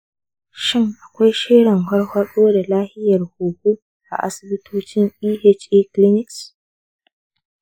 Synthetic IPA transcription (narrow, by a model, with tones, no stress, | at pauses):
ʃɪ˦ŋʔa˨kʷa˦jʃɪː˦ɽɪ˨ŋɦɐ˦ɽhɐ˦ɗoː˦da˨laː˦hɪ˦jɐ˨rhuː˨ɡʷuː˦ | ʔa̰˨ʔa̰˨sɪ˦bɪ˦tʰoː˦t͡ʃɪ˦ŋʔiː˦ʔe˦t͡ʃʔiː˦klɪ˦nɪ˨ks